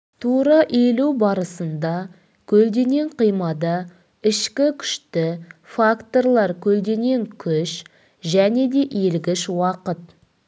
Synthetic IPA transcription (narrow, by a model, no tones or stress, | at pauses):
t̪ʰuɾɑʔelubɑɾəsənd̪ɑ | kʲʰɵld̪e̞ŋe̞ɴqʰijmɑd̪ɑ | ɪʃkʲɪkʲʰʏ̥ʃt̪ɪfakt̪o̞ɾlˠɑɾkʲʰɵld̪e̞ŋe̞ŋkʲʰʏʃ | ʒæne̞d̪e̞ʔelɡʲɪʃwɑqət̪